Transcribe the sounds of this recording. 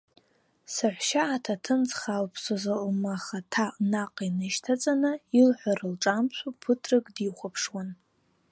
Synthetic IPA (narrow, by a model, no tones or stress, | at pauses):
saħʷʃaːtʰatʰɨnt͡sʼχalpʰsozalmaχatʰanaqʼinɨʃtʰat͡sʼanɨilħʷarɨlʈ͡ʂʼamt͡ʃʷʰupʰɨtʰrɨɡʼdiχʷapʰʂwan